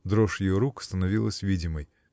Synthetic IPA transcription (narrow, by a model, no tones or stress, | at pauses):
d̪ɾoʂjɪjoɾukst̪ənɐvʲilˠəsʲvʲidʲɪməj